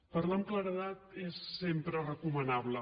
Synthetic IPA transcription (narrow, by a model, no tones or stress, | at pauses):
pəɾlamkləɾəðat̪esːempɾərəkumənaβlə